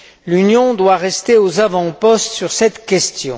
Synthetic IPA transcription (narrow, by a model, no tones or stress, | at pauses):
lynjɔ̃d̪waʁɛst̪eozavɑ̃pɔst̪syʁsɛt̪kʲɛst̪jɔ̃